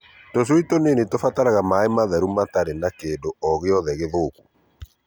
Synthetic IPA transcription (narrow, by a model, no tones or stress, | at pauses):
tos̬witonenetofataɾaɣamaemaðɛɾumataɾenakeːndoɔɣeɔðɛɣeðoːku̥